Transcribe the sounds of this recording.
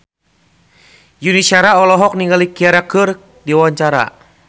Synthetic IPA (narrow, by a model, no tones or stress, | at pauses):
junisiaɾaɔlɔɦɔk̚niŋɡalikiaɾakɨr | diawaɲt͡ʃaɾa̰